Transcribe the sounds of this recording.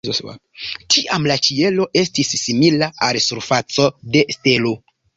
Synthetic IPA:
tʰiʔamlat͡ʃie̞lo̞ʔe̞stisːimilaʔalsuɾfat͡so̞de̞ste̞lo̞

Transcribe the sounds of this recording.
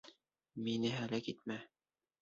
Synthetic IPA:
minɘɦælækit̪̚mæ

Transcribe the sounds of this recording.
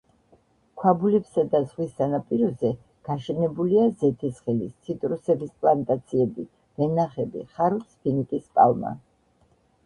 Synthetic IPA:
kʰwabulɛpsad̪azʁwisanapʼiɾɔzɛ | ɡ̥aʃɛnɛbuliazɛt̪ʰisχɛlist̪sʰit̪ʼɾusɛbispʼlˠant̪ʼat̪sʰiɛbi | vɛnaχɛbḭχaɾut̪spʰinit̪ʼispʼa̰lˠma̰

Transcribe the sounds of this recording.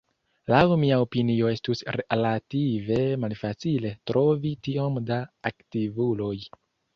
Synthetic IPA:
lawmiaopinio̞e̞stusɾelative̞malfat͡sile̞tɾʔo̞vitio̞mdaːktivulo̞j

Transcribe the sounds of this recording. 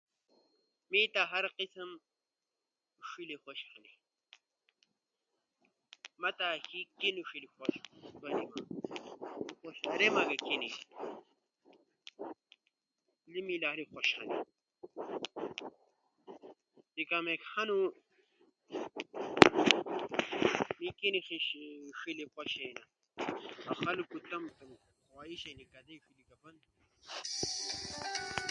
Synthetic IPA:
mit̪aɦɐɾqisɐm | ʂilixoɕxɐni | mɐt̪akikinuʂilixoʃwɐnima | xoɕɐɾemɐɡɐkeni | limilaːlixoɕɐ̰nḭ | t̪ikamekhɐnu | mikinixiɕʂilixoɕena | ɐxɐlukut̪ɐmt̪ɐm | xʷaːiɕenikɐd̪eʂilikɐvɐnd̪

